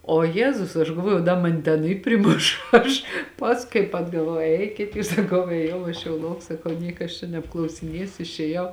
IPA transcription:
oː ˈjæːzʊs ɐʃ ɡɐlˠˈʋoːjɛʊ dɐ ˈmɑːnʲɪ ˈtʲɛn ɪ pʲrʲɪˈmʊʃ ˈɐʃ ˈpɐsk kɐɪp ɐdɡɐˈʋɐʊ ˈɛɪkʲɪt juːs sɐˈkɐʊ eːˈjɛʊ ɐʃ jɛʊ ˈlˠɐʊk sɐˈkɐʊ ˈnʲiɛkɐ ɐʃ t͡ʃʲɛ nʲɛpklˠɐʊsʲɪˈnʲiɛsʲʊ ɪʃʲeːˈjɛʊ

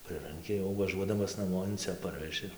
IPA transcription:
ˈprɨrɐŋʲkʲɪ jɛʊ ʋɐˈʒuɔdɐmɐs nɐˈmoː ɪn ˈt͡sʲɛ ˈpɐrʲʋʲɛʒʲɪ

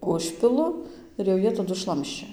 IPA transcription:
ˈʊʃʲpʲɪlˠʊ ɪr jɛʊ ˈjiɛ ˈtɑːdʊ ˈʃlˠɐmʲʃʲt͡ʃʲɛ

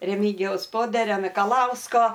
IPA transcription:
rʲɛˈmʲɪɡʲɪjɛʊs ˈpoːdʲɛrʲoː mʲɪkɐˈlˠɐʊskoː

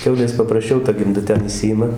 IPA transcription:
ˈkʲɛʊlʲeːs pɐprɐsʲˈt͡ʃʲɛʊ tɐ ɡʲɪmˈdɐ ˈtʲɛn ɪˈʃʲsʲɪjɪmɐ

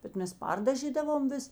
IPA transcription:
bʲɛt ˈmʲɛs ˈpɐrdɐʒʲiːdɐʋoːm ˈʋʲɪs

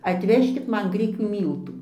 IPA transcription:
ɐtʲˈʋʲæːʃʲkʲɪt ˈmɐn ˈɡrʲɪkʲuː ˈmʲiːlˠtuː

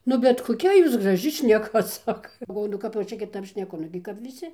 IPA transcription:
ˈnʊ bʲɛt koːˈkʲɛ juːs ɡrɐˈʒʲɪ ʃʲnʲɛˈkɐ ˈsɑːkɐ ɡɐlˠˈʋoːjʊ nʊ ˈkɐp jɛʊ ˈt͡ʃʲɛ kʲɪˈtɐp ʃʲnʲɛˈkʊ ˈnʊɡʲɪ kɐp ʋʲɪˈsʲɪ

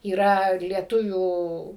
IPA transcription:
iːˈrɐ lʲiɛˈtʊʋʲuː

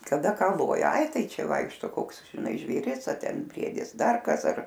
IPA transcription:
kɐˈdɐ ˈkɑː ˈlˠoːjɛ ˈɐɪ ˈtɐɪ ˈt͡ʃʲɛ ˈʋɐɪkʃtoː ˈkoːks ʒʲɪˈnɐɪ ʒʲʋʲeːˈrʲɪs ɐ ˈtʲɛn ˈbʲrʲiɛdʲɪs ˈdɐr ˈkɐs ɐr

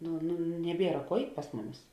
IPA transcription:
ˈnʊ nʊ nʲɛˈbʲiɛrɐ ˈkuɔ ˈɛɪtʲ pɐs ˈmʊˌmʲɪs

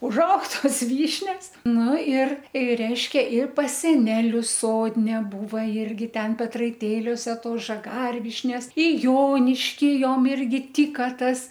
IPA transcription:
ʊʒˈɐʊk ˈtoːs ˈʋʲiːʃʲnʲɛs ˈnʊ ɪr ɪr ˈrʲɛɪʃʲkʲɛ ɪr pɐs sʲɛˈnʲæːlʲʊs ˈsoːdʲnʲɛ ˈbuːʋɐ ˈɪrʲɡʲɪ ˈtʲɛn pʲɛtrɐɪˈtʲeːlʲoːsʲɛ ˈtoːs ʒɐˈɡɐrʲʋʲiːʃʲnʲɛs ɪ ˈjoːnʲɪʃʲkʲiː ˈjoːm ˈɪrʲɡʲɪ ˈtʲiːkɐ ˈtɐs

